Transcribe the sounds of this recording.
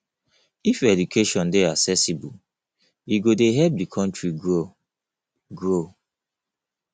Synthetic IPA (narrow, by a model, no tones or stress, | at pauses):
ifɛdukʰeʃɔ̃ndeasɛsibu | iɡodeɦɛp̚dikʰɔ̃ntɹiɡo | ɡɹo